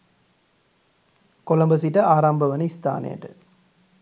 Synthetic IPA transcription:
kɔlɐmbɐs̬iʈːɐaːɾaːmbɐʋɐnɐɪst̪ʰa̰ːnɐ̰jɐ̰ʈɯ̰

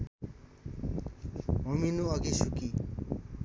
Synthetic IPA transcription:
ɦominuʌɡisuki

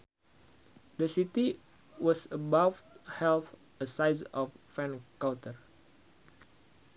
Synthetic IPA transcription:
dəsit̪i | wɔsəbafhɛlθ | əsajs̬ɔfːɛ̃nkawt̪ər

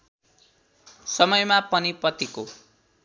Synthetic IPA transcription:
sʌmʌjmapʌnipʌt̪iko

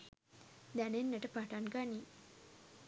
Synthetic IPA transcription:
d̪ænenːəʈəpaʈanɡani

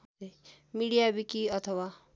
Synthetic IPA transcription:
e | miɽijabikiʌt̪ʰʌwa

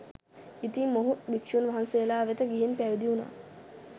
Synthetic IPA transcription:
it̪imːoɦubikʂunʋaɦanseəlaːʋet̪əɡiɦinpæʋid̪iuna̰ː

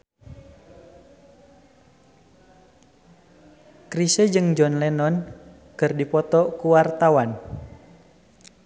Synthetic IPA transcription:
kɾisəd͡ʒɨŋd͡ʒɔnlɛnɔn | kɨrdipɔt̪ɔkuwart̪awan

